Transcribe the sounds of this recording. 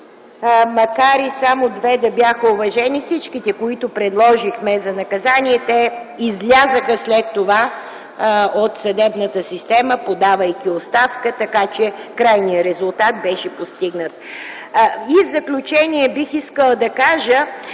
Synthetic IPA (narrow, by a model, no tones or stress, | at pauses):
mɐkaɾisamod̪vɛd̪ɐbjaxəovɐʒɛnifsit͡ʃkit̪ɛkoit̪ʊpɾɛd̪lˠɔʒixmɛzɐnɐkɐzaniɛt̪ɛ | izlʲazəxəslɛt̪ːova | ot̪sɐd̪ɛbnət̪əsist̪ɛməpod̪avəjkiost̪afkət̪ɐkat͡ʃɛkɾajnijəɾɛzʊlˠt̪at̪̚bɛʃɛpost̪iɡnət̪ | ivzɐklʲut͡ʃɛniɛbixiskəlˠd̪ɐkaʒə